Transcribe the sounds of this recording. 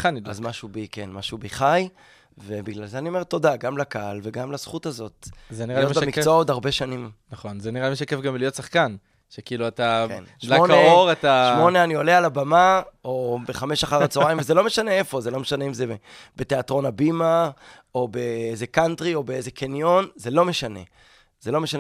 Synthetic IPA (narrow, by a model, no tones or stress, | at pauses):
χanidazmaʃubikenmaʃubiχaj | ve̞biɡlalzeanio̞me̞ʁt̪o̞daɡamlakaalveɡamlaz̥χutazo̞t̚zeniʁalmemikvootaʁbe̞ʃanimnaχo̞nzeniʁalimiʃakefɡamlijotsaχkan | ʃekiːluataknʃlaoneoʁataʃmo̞ne̞anio̞lealabamao̞beχameʃaχaʁat͡soajmvezelo̞me̞ʃane̞efo̞zelo̞meʃaneimzeebete̞atʁo̞nabima | obe̞ezekantʁio̞beezekʰenjo̞nzelo̞me̞ʃane̞̰ | z̥elo̞me̞ʃane